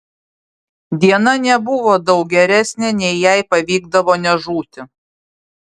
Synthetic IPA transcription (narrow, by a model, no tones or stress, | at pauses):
d̪ʲiɛnɐnʲɛbʊʋoːd̪ɒʊk̚ɡʲɛɾʲæsʲnʲɛnʲɛɪjæɪpɐʋʲiːɡd̪ɐʋoːnʲɛʒuːt̪ʲɪ